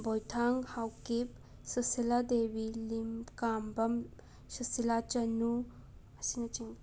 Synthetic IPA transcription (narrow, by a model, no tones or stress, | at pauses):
bojt̪ʰaŋɡhawkep | səsilad̪eːʋilimkaːmbɐm | səsilat͡ʃɐnu | ɐsinɐt͡ʃiŋ